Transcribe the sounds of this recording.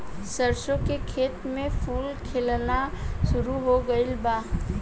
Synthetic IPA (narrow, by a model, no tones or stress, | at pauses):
səɾsõkekʰeːt̪mẽpʰuːlkʰelnaʃʊɾuɦoɡəɪlbaː